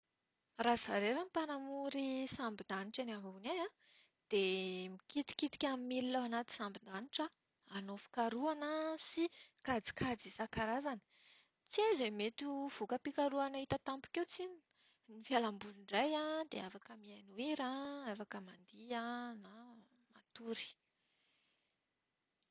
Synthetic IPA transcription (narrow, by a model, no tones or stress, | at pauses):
razaɾeɾamipanamuɾisambind̪aniʈ͡ʂanamuneã | d̪̥emikit̪i̥kit̪i̥kʲamimililawanat̪i̥sambind̪aniʈ͡ʂə | anofi̥kaɾuanəsikad͡zi̥kʰad͡zisakaɾazanə̥ | t͡siazemet̪uv̥ukəpikaɾuanəit̪ət̪ampu̥kewt͡sin | nifjalambuliɳɖ͡ʐajad̪eafakəmianuiɾaafakəmand̪iana | mat̪uɾi̥